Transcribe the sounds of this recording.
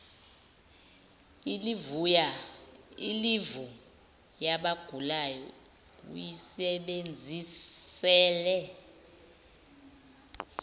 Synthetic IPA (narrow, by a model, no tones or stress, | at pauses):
ilivuja | ilivu | jaɓaɡ̥ʱulajɔ̰ | ṵjisɛɓend͡zʱisɛːlɛ